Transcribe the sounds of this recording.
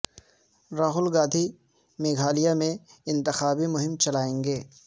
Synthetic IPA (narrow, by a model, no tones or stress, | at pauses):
ɾaːɦʊlɡãːd̪ʱi | meːɡʱaːlijamẽɪ̃nt̪ɪxaːbimʊɦɪmt͡ʃɐlaːẽːŋɡeː